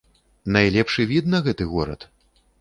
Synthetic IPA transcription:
najlʲɛpʂɨvʲid̪̚nɐɣɛt̪ɨɣɔɾɐ̰t̪

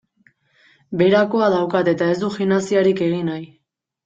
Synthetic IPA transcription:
be̞ɾako̞aðawkat̪e̞t̪ae̞zd̪uxinasiaɾike̞ɣ̞inaj

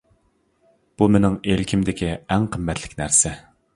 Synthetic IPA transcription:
b̥umenɪŋelkʲʰimd̪ɪkʲiæŋqʰəmːɛt̪ʰlɪ̥kʲnæɾsɛ

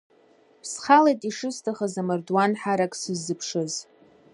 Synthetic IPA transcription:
pʰsχalejtʼiʂɨstʰaχazamɨrdwanħaɾakʼsɨzːɨpʰʂɨz

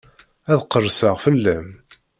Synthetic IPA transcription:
æðqərˤsəʁfəlːæm

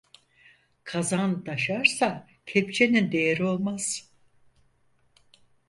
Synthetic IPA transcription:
kʰazand̪aʃaɾsa | cʰep̚t͡ʃʰe̞nind̪e̞jeɾio̞lˠmaz̥

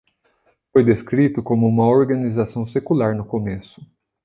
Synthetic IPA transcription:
fojd̪eskɾit̪ʊkõmʊũmɐoɾɡɐnizasɐ̃w̃sekulaɾnʊkomesʊ̥

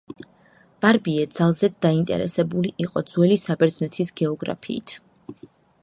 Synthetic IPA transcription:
b̥aɾbiɛd̪z̥alˠzɛd̪ːaint̪ʼɛ̰ɾɛ̰sɛbuliʔiqʼɔd̪zwɛlisabɛɾd̪znɛt̪ʰisɡɛɔɡɾa̰pʰḭːt̪ʰ

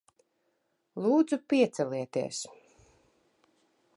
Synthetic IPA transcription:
lˠuːd̪zupiɛt̪sɛliɛt̪iɛs

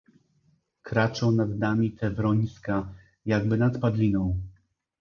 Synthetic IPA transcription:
kɾat͡ʂɔ̃w̃nad̪d̪amʲit̪ʰɛvɾɔɲska | jaɡbɘnat̪pad̪lʲinɔ̃w̃

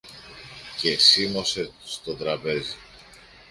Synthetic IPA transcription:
ce̞simo̞se̞st̪o̞t̪ɾɐpe̞zi

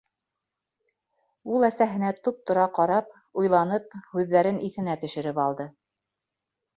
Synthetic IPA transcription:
ulˠæsæɦɘ̆næt̪up̚t̪ŏɾɑqɑɾɑp | ujlˠɑnɤp̚hʉðːæɾɘnʔiθɘ̆næt̪ɵ̆ʃɘ̆ɾɘpɑlˠd̪ɤ

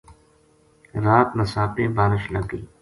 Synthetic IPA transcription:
ɾaːt̪məsaːpẽːbaːɾɪʃləɡiː

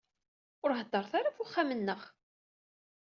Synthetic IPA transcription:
ʊɾɦəd̪ːɑɾˤθaɾafʊχːamənːəʁ

